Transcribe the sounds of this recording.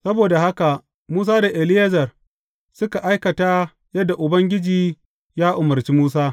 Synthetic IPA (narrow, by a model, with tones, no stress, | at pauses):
sɐ˦boː˨da˨ha˦ka˨ | muː˦saː˦da˨ʔɪ˨lɪ˦jɐ˦zɐ˨r | sʊ˦ka˨ʔa˦jkɐ˨taː˦ | jɐ˦dːa˨ʔʊ˨bɐ˦ŋɡʲɪ˦d͡ʒiː˨ | jaː˦ʔʊ˨mɐ˨rt͡ʃiː˦muː˦s̬aː˦